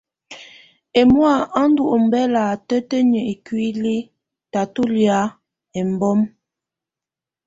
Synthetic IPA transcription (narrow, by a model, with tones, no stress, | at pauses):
e˨mwa˦˨a˦n̩˦du˦˨ʔo˨m̩˨bɛ˦la˨tə˦tə˦ɲə˨ʔe˨kɥi˦li˦ | ta˨tu˦lja˦ | e˨m˨bɔ˦m